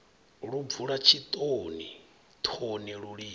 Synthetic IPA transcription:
ɺub̪vuɺat͡ʃʰit̪ʼoni | t̪ʰoniɺuɺi

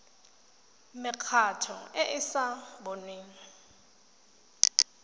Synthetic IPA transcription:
mɪkʰatʰɔ̰ɛʔɪsabonwiŋ̩

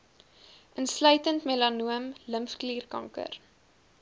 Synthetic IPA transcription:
ʔənslœɥtəntmelɐnuəmləmfkliːrkɐ̰ŋkə̰r

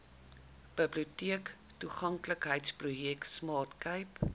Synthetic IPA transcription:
b̥əbliutiək | tuχɐŋkləkɦəjtsprujɛktsmɑːtkəjp

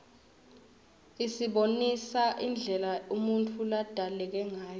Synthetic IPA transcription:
isiɓonisaʔind͡ɮʱɛlaumuntʰulad̥ʱalɛk̬ɛŋaːjɔ

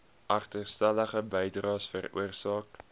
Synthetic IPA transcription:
ʔɐχtərstæləχəbɛjdrɑːsfərṵərsɑːk

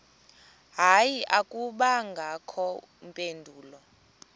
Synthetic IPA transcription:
ɦajiʔakʼuɓaŋɡʱakʰɔ | mpʼendʱuːlɔ

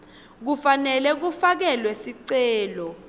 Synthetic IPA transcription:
k̬ufanɛlɛk̬ufak̬ɛlwesiǀɛːlɔ

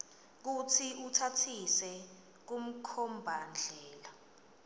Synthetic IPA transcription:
k̬utʰiʔutʰatʰisɛ | k̬um̩kʰɔmbʱand͡ɮʱɛːla

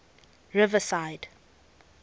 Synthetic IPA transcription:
ɹɪvəsaɪd̥

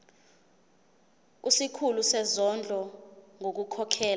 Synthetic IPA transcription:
usikʰulusɛzɔnd͡ɮʱɔŋok̬ukʰɔkʰɛːla

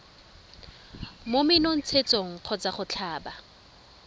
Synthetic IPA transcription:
momɪnon̩t͡sʰet͡sʼoŋ̩q͡χʰɔt͡saχʊt͡ɬʰaːba

